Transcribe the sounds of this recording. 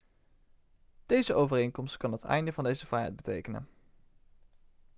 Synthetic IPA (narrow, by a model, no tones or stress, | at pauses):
d̥ejzəʔowvərejŋkɔmstkɑnɦətɛ̰jndəvɑndejzəv̥rɛjɦɛ̰jd̚bətejkənə̰n